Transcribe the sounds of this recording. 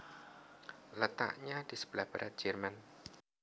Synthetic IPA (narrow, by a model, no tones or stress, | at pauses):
lət̪a̰ʔɲad̪̥isə̥b̥əlahb̥aɾat̪̚d͡ʒ̥ɛrman